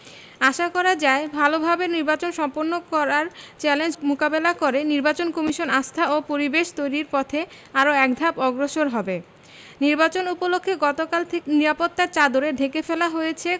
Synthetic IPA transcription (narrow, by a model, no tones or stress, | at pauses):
aʃakɔɾad͡ʑaebʱalobʱabeniɾbat͡ɕonʃɔmpoɾnːokɔɾaɾt͡ɕɛlend͡ʑmukabelakoɾeniɾbat͡ɕonkɔmiʃonast̪ʰaopoɾibeʃt̪ojɾiɾpɔt̪ʰe | aɾoɛk̚d̪ʱapɔɡɾoʃoɾɦɔbe | niɾbat͡ɕonupolokʰːeɡɔt̪okalt̪ʰekeniɾapot̪ːaɾt͡ɕad̪oɾeɖʱekefelaɦojet͡ɕʰe